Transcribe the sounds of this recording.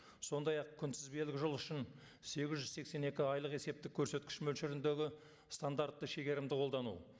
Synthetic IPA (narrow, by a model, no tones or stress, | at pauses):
so̞nd̪ɑjɑq̚kʲʰʏnsɪzbe̞lɪkʲɪʒəlˠʏʃɪn | se̞ɡʲɪzʒʏzse̞kse̞ne̞kʲɪɑjlˠəqe̞se̞p̚t̪ɪkʲʰːɵɾse̞t̪kʲɪ̥ʃmɵlʃɪɾɪnd̪e̞ɡʲɪ | st̪and̪aɾt̪ːəʃe̞ɡʲe̞ɾɪmd̪ɪqʰo̞ld̪ɑnṵ